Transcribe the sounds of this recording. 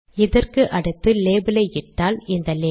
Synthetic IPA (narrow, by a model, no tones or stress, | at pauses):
ɪðɐrkɯʔɐɽɯt̪ːɯleːbɪlɐɪɪʈːaːlɪnd̪ɐleː